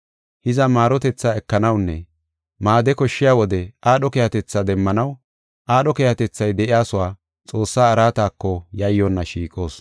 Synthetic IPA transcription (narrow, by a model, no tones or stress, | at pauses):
hɪzɐmaːɾɔt̪ɛt͡sːaːɛkːɐnɐwnːɛ̰ | maːd̪ɛkɔʃːɪjaːwɔd̪ɛaːɗɔkɛjɐt̪ɛt͡sːɐd̪ɛmːɐnɐw | ʔaːɗɔkɛjɐt̪ɛt͡sːɐjd̪ɛʔɪjaːsʊwaː | t͡sʼo̞ːsːaːɾaːt̪aːkːɔjɐjːonːɐʃiːkʼo̞ːs